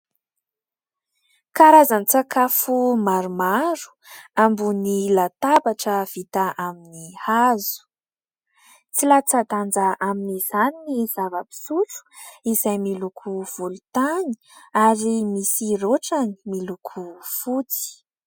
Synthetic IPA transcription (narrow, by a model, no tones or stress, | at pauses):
kaɾazanit͡sakafumaɾumaɾu̥ambunilat̪abaʈ͡ʂəv̥it̪aʔaminihazu̥ | t͡silat͡sad̪and͡zaʔaminiz̥aniniz̥avəpi̥sut͡su̥izajmilukʰuv̥ulut̪ani̥ | aɾimisiroʈ͡ʂani̥milukʰufut͡si̥